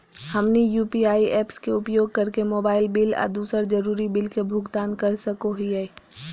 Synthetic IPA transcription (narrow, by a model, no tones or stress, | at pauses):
hɐmnijuːpiaːiɛːpskeʊpjoːɡ̚kɐɾkemoːbaːɪlbɪlə̰ːd̪uːsəɾd͡ʒɐɾuːɾibɪlkebʱʊɡt̪aːnkɐɾsəkoɦiɛː